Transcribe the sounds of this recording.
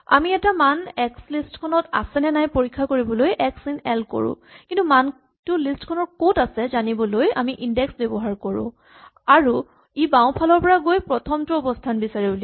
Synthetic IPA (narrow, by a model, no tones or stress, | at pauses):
a̰miɛtamanɛkslistkʰɔnɔta̰sɛnɛnajpoɹikʰːakoɹibɔlojʔɛksinɛlko̰ɹʊ̰̃ | kĩntuman | tʊlistkʰɔnɔɹkotasɛzanibɔloja̰miʔindɛksbɛbɔɦaɹkɔɹʊ̰̃ | aɹu | ibaw̃pʰalɔɹpɔɹaɡojpɹɔtʰɔmtʊɔbɔstʰanbisaɹibuli